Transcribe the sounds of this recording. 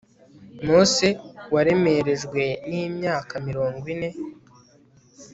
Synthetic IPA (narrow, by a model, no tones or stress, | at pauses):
mosewaɾe̞me̞ɾe̞ʒɡwe̞niːmɲaːkamiɾo̞ːŋɡwine̞